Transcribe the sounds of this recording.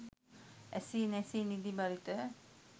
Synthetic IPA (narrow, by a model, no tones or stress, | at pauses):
ɛsinɛsinid̪ibaɾit̪ə